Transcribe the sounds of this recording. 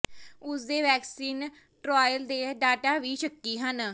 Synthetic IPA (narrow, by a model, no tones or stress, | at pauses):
ʊsd̪eːʋɛːksiːn | ʈɾaːjəld̪eːɖaːʈaːʋiːʃəkːiːɦən